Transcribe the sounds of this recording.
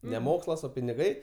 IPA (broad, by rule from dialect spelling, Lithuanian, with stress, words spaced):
nʲɛ ˈmoːkslˠɐs ˈoː pʲɪnʲɪˈɡɐɪ